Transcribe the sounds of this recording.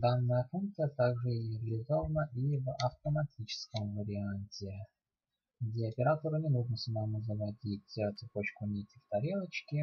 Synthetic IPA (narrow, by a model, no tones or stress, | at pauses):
d̪anːəjəfunk̚t̪sɨjət̪aɡʐɨɪvʲlʲɪzovnəʔivɐft̪əmɐtʲit͡ɕɪ̥skəmvəɾʲɪanʲtʲɪ | ɡdʲeɐpʲɪɾat̪əɾʊnʲɪnuʐnəsəmamuzəvɐdʲitʲt̪sɨpo̞t͡ɕkʊnʲitʲɪft̪ɐɾʲelˠət͡ɕkʲɪ